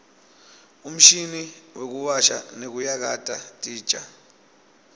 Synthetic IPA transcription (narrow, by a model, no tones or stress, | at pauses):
um̩ʃiniwek̬uwaʃa̰nek̬ujak̬atʼatʼiːd̥ʒ̥ʱʼa